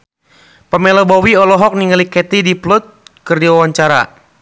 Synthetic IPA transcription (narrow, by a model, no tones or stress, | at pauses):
pəmɛlɔbɔwiɔlɔɦɔk̚niŋalikɛt̪idiplʊt̪̚kərd͡ʒiawaɲt͡ʃaɾa̰